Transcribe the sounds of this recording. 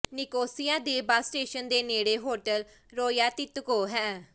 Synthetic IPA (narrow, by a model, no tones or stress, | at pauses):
nɪkoːsɪjaːd̪eːbaːsʈeːʃənd̪eːneːɽeːɦoːʈəl | ɾoːjaːt̪ɪt̪koːɦɛː